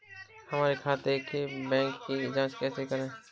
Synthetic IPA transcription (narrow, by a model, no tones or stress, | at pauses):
hɐmaːɾekʰaːt̪ekʰibɛ̃ːŋkːid͡ʒãːskɛːsekɐɾẽː